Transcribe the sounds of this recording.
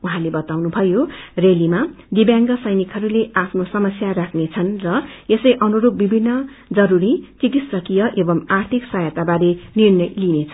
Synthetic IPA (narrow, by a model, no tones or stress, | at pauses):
uɦãlebʌt̪awnubʱʌjorelima | d̪ibjaŋɡʌsʌjnikʰɦʌɾuleʔapʰnosʌmʌsjaɾakʰnet͡sʰʌnrʌesʌjʔʌnuɾob̚bibʱinːʌd͡zʌɾuɾit͡sikit̪ssʌkijʌʔebʌmart̪ʰiksajʌt̪abaɾenirnʌjlinet͡sʰʌ